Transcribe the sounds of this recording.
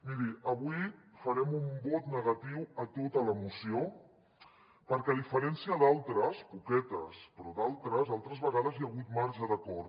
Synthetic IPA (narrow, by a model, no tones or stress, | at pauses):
miɾiʔəβujfəɾɛmumbɔt̪nəɣ̞ət̪iwət̪ot̪ələmusio | pəɾkɛðifəɾɛnsiəðalˠt̪ɾəspukɛt̪ə̰spɾɔd̪alˠt̪ɾəzalˠt̪ɾəzβəɣað̞əzjəɣ̞ut̪maɾʒəðəkɔɾ